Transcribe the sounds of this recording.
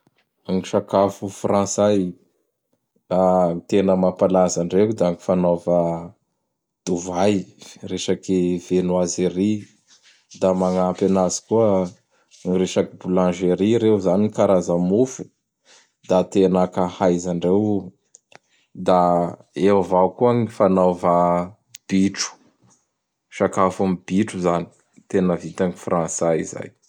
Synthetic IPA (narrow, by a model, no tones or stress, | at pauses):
aŋiʃakafufrãsaj | at̪enəmapalazaɳɖ͡ʐekd̪aaŋifanovə | d̪̥uvajreʃakivenuazeɾi | d̪amaŋapanazi̥kuə | ŋiɾeʃakibulãʒeɾiɾewzanikaɾazamufu̥ | d̪at̪enakahajzaɳɖ͡ʐew | d̪a | ewavakuəŋifanawva | b̥iʈ͡ʂu̥ | ʃakafamb̥iʈ͡ʂuzani̥ | t̪enəvit̪aŋifrãnsaḭza̰j